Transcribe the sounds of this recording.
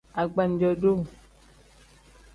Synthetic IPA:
a˨ɡ͡ba˨n̩˨˦d͡ʒɔ˨ɖo˦˨

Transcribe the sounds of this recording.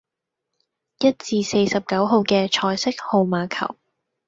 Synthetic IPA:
jɐ˥t̚t͡siː˧se˧jsɐ˨p̚kɐ˨˥wɦo˨˧wkɛː˧t͡ʃʰɔː˧jsɪ˥k̚ho˨˧wmaː˨˧kʰɐ̰˨˩w

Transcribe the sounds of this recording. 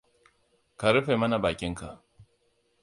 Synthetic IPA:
ka˨ɾɪ˦ɸe˨mɐ˦na˨baː˨kʲɪ˦ŋka˨ʔ

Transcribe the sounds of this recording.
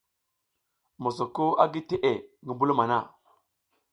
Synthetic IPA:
mo˨so˨ko˦a˦ɡi˦te˦ʔe˨ŋi˦mbu˦lma˨na˦˨

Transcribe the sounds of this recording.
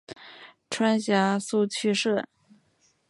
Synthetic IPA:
ʈ͡ʂʰwa˥nɕja˧˥su˥˩t͡ɕʰy˥ʂɤ˥˩

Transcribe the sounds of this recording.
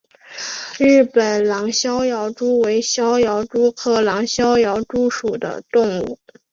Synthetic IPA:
ɻɻ̩˥˩pə˨˩nlɑ˧˥ŋɕjɑ˥ʊjɑ˧˥ʊʈ͡ʂu˥we˧˥ɪɕjɑ˥ʊjɑ˧˥ʊʈ͡ʂu˥kʰɤ˧˥lɑ˧˥ŋɕjɑ˥ʊjɑ˧˥ʊʈ͡ʂu˥ʂu˨˩d̪ə̰˦t̪ʊ˥˧ŋṵ˥˩

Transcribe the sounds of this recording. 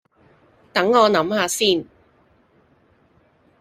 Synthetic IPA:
t̪ɐ˨˥ŋːɔː˨˧nɐ˨˥mhaː˨˧siː˥˩n

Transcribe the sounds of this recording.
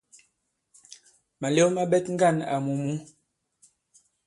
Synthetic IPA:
ma˨le˦ma˦bɛ˦tŋ̩˦ɡa˦˨na̰˨mu˨mu˨˦

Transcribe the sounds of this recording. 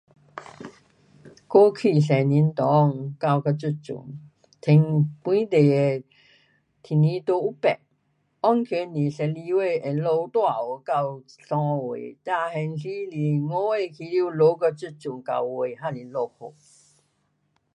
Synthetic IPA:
ko˦kʰi˧˨ɬɛ˨ni˧˦nt̪ɔ˨˦˧ŋka˥˧˨wka˧t͡su˥˧t͡sṵ˨ŋ | t̪ʰe˧ŋpwĩ˦t̪e˨e˨ | t̪ʰi˨nĩ˧˦t̪o˧u˦pɛ̰˨ʔ̚ | ɔ˥˦ŋkʰe˧˦ni˨˩ɬɛ˧li˧we˥˧˨e˨lo˧wt̪wa˥˧˨o˨˧˨ka˥˧wɬɔ̃˧wḛ˨t̪a˥˧hɛ˧nɬi˦li˨ŋo˦we˥˧kʰi˧li˦˧˨lo˧˦kə˧t͡su˥˧˨t͡su˨ŋka̰˧˩wwe˨ɦa˥˧˨li˨lo˧ho˨

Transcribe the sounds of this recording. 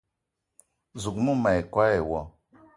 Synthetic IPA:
zu˨ɡmu˦ma˨ji˨kʷa˦e˨wɔ˨

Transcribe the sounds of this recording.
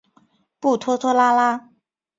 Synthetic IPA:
pu˥˩t̪ʰwɔ˥t̪ʰwɔ˥la˥la˥

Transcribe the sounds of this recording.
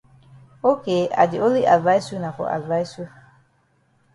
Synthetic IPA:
o˦ke˨˦a̰˨dɪ˨o˦li˦ʔa˨dva˦jsu˦na˨kɔ̰˨ʔa̰˨dva˦jsu˦

